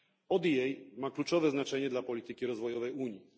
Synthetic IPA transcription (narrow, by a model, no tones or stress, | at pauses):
ɔd̪jɛjmaklut͡ʂɔvɛznat͡ʂɛɲɛd̪lapɔlʲit̪ɘkʲiɾɔzvɔjɔvɛjuɲji